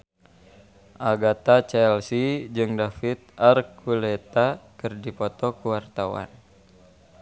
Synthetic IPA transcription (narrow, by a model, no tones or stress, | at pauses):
ʔaɡat̪at͡ʃɛlsid͡ʒɨŋdafit̪̚arkʰulɛt̪akɨrdipɔt̪ɔkuwart̪awa̰n